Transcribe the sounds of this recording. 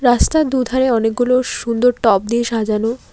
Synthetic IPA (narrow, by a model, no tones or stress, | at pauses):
ɾast̪ad̪ud̪ʱaɾeɔnek̚ɡuloʃund̪oɾʈɔp̚d̪ieʃad͡ʑano